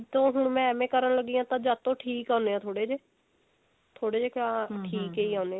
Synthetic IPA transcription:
t̪õːɦʊɳmɛ̃ːɛmẽːkəɾənləɡːiːãːt̪ãːd͡ʒaːt̪õːʈʰiːkãːneːãːt̪ʰoːɽeːd͡ʒeː | t̪ʰoːɽeːd͡ʒeːkaːʈʰiːkeːiːãːneː

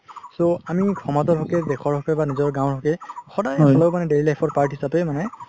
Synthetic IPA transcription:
soamikʰɔmatɔɹɦɔkɛdɛkʰɔɹɦɔkɛbanizɔɹɡãw̃ɹɦɔkɛxɔdajsɔlɔbmanɛdeɹilajpʰɔɹpaɹtɦisapɛmanɛ

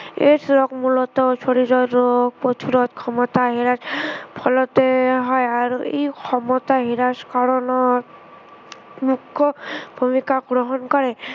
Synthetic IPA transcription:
esɾɔkmulɔt̪ɔt͡ʃʰoɽiɾɔɾok̚pot̪ʰuɾɔt̪kʰɔmɔt̪aɦiɾaspʰɔlɔt̪eɦɔeaɾḛjkʰɔmɔt̪aɦiɾaskɔɾɔnɔ | mukʰːɔbʱumikaɡɾɔɦɔnkɔɾe

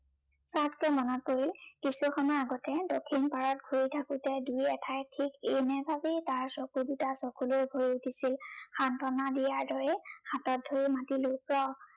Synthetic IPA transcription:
satkɛmɔnɔt̚poɹilkisuxɔmɔjaɡɔtɛdokʰːinpaɹɔt̚ɡʱuɹitʰakʊtɛdujɛtʰajtʰikenɛbʱabitaɹsɔkudutasɔkulojɡʱoɹiutʰisilxantɔnadijaɹdɔɹɛhatɔt̚dʱoɹimatilokɹɔ

